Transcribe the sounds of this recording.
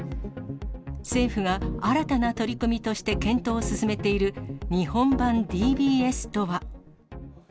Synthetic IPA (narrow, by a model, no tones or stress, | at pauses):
se̞ːɸɯɡaaɾat̪anat̪o̞ɾʲikɯmʲit̪o̞ɕi̥t̪e̞kẽ̞nt̪o̞ːsɨsɨme̞t̪e̞iɾɯ̟ɲ̟ihõ̞mbãnd̪ʲiːbʲiːe̞sɨ̥t̪o̞βa